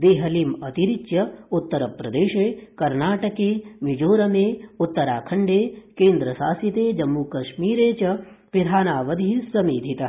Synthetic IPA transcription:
d̪eːɦɐliːmɐt̪iɾit͡ʃjɐut̪ːɐɾɐpɾɐd̪eːʃeːkɐɾnaːʈɐkeːmid͡ʒoːɾɐmeːut̪ːɐɾaːkʰɐɳɖeːkeːnd̪ɾɐʃaːsit̪eːd͡ʒɐmːukɐʃmiːɾeːt͡ʃɐ | pɾid̪ʱaːnaːʋɐd̪ʱiisɐmiːd̪ʱit̪ɐ

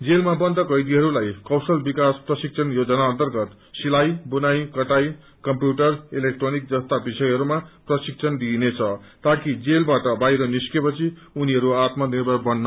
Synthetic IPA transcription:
d͡zelmabʌnd̪ʌkʌjd̪iɦʌɾulajkʌwsʌlbikasprʌsik̚t͡sʰʌnjod͡zʌnaʌnt̪ʌrɡʌt̪ | silajbunajkʌʈaj | kʌmpjuʈʌrilek̚ʈronik̚d͡zʌst̪abisʌjɦʌɾumaprʌsik̚sʰʌnd̪inet͡sʰʌ | t̪akid͡zelbaʈʌbajɾʌniskepʌt͡sʰiuniɦʌɾuat̪mʌnibʌbʌnːʌ

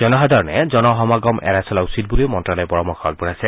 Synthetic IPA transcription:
zɔnɔɦadɔɹnɛzɔnɔɦɔmaɡɔmɛ̰ɹasɔlausit̚buliʊmɔntɹalɔpɔɹɔmɔxɔa̰ɡ̚buɹasɛ

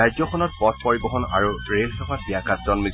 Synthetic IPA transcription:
ad͡ʒɔxʰɔnɔt̚pɔt̚pɔɹibɔɦɔna̰ɹuɹelxɛpatiakatzɔnmi

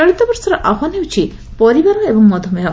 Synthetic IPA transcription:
ɔɽit̪ɔbɔɾsɔɾɔʔaɦʰaniwt͡ʃʰi | pɔɾibaɾɔebɔŋmɔd̪ʱɔmeɦɔ

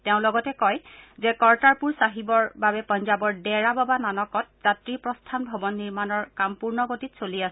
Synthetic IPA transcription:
tɛʊ̃lɔɡɔtɛkɔjzɛkɔɹtaɹpuɹsaɦibɔɹbabɛpɔnzabɔɹdɛɹababananɔkɔt̚z̥atɹipɹɔstʰanbʱɔbɔnːiɹmanɔɹkampuɹnɔɡotitsoliasɛ

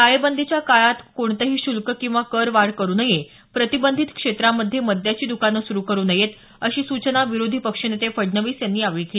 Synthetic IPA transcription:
ajbənd̪ʱit͡ɕjakaɭat̪koɳt̪əɦiːɕulkəkĩw̃ʋakəɾʋaɽkəɾuːnəje | pɾət̪ibənd̪ʱit̪kʂet̪ɾamːəd̪ʱːjeməd̪ʱjat͡ɕiːd̪ukanəsuɾuːkəɾuːnəjet̪ | əɕiːsut͡ɕənaʋiɾod̪ʱiːpəkʂənet̪efəɽnəʋiːsjanːiːaʋɭiki

